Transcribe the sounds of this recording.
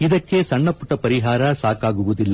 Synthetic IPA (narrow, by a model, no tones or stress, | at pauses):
id̪ɐkːe̞sɐɳːɐpuʈːɐpɐɾiɦaːɾɐsaːkaːɡuʋud̪ilːɐ